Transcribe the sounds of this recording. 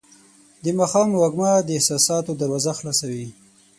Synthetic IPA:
d̪əmɑxɑmwaɡmɑd̪əɪhsɑsɑt̪od̪əwazaxlɑsawi

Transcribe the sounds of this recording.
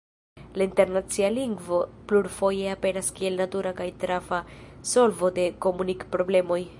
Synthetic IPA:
lainte̞ɾnat͡sialiŋɡvo̞pluɾfo̞je̞ape̞naskie̞lnatuɾakajtɾafaso̞lvo̞de̞ko̞munikpɾo̞ble̞mo̞j

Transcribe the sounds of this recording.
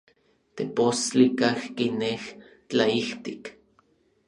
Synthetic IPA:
t̪epost͡ɬikahkineh | t͡ɬaiht̪ik

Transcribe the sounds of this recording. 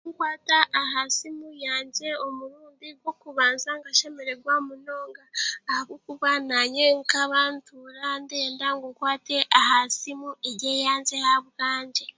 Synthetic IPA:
ŋkwaːtaʔːɦasimujaːnze̞omuɾuːndiɡwo̞kuβaːnzaŋɡaʃe̞me̞ɾe̞ɡwamuno̞ːŋɡaːhaβokuβanaɲeŋkaβantʰuɾande̞ːndaŋɡoŋkwaːte̞ʔahasimueɾɟejaːnze̞haβɡaːɲd͡ʒe

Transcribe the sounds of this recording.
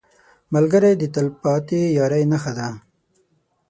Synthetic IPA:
malɡaɾajd̪ət̪alpɑt̪ijɑɾajnaxad̪a

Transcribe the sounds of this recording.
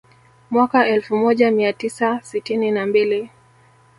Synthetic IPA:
mwakaɛlfumɔʄamiatisasitininambili

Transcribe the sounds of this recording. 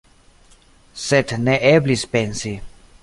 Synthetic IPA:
sɛt̪ʰnɛʔɛblispɛnsi

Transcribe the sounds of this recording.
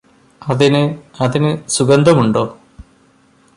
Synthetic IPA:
ɐðinɨɐðinɨsuɡɐnd̪ʱɐmuɳɖoː

